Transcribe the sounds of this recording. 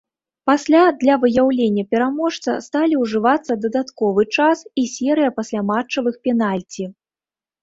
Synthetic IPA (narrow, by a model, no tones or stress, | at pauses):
pasʲlʲad̪lʲɐvɨjawlʲenʲːɐpʲɛɾamɔʂt̪sɐ̰st̪alʲiwʐɨvat̪sːɐd̪ɐd̪at̪kɔvɨt͡ʂasisʲɛɾɨjɐpasʲlʲamat͡ʂɐvɨxpʲɛnalʲt͡sʲi